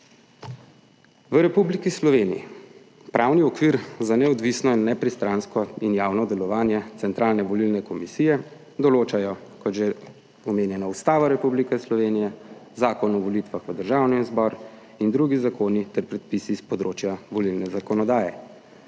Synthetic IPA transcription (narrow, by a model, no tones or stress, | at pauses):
ʋəɾɛpublikislɔʋeːnijḭ | pɾʔaːwniɔkʋiɾzanɛɔd̪ʋisnɔinːɛpɾist̪ɾanskɔinjaːwnɔd̪ɛlɔʋaːnjɛt̪sɛnt̪ɾaːlnɛʋɔlilnɛkɔmisijɛ | d̪ɔloːt͡ʃajɔkɔd̪ʒɛ | ɔmeːnjɛnaust̪aːʋaɾɛpublikɛslɔʋeːnijɛzaːkɔnɔʋɔlit̪ʋaxʋəd̪əɾʒaːwnizbɔɾ | ind̪ɾuɡizakoːnit̪ɛɾpɾɛt̪̚pisispɔd̪ɾoːt͡ʃjaʋɔlilnɛzakɔnɔd̪aːjɛ